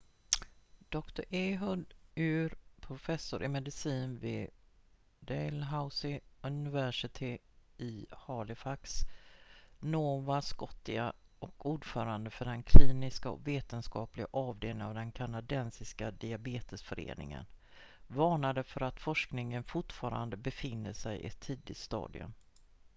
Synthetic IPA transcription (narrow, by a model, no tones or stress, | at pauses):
d̪̥ɔkt̪ʊɾʔeːɦʊɖʉːɾpʰɾʊfɛsːʊɾʔɪmɛd̪ɪsiːnvɪ | d̪ɛlɦaʊsɪɵnɪvæʂɪt̪ʰɪ | ɪhɑːlɪfaks | noːvaskɔt̪ːɪɡaɔkuːɖfœːɾand̪əfœɖɛnkʰliːnɪskaɔ̰kveːt̪ənskɑːplɪɡaʔɑːvd̪eːlɪŋavd̪ɛnkʰanad̪ɛnsɪskad̪ɪabeːt̪əsfœɾḛːnɪ̰ŋə̰n | vɑːɳad̪əfœɾat̪fɔʂknɪŋənfʊʈfɑːɾa̰nd̪əbɛfɪnːəʂɛjʔɪ̰t̪ʰːiːd̪ɪt̪st̪ɑ̰ːd̪ɪ̰ɵ̰m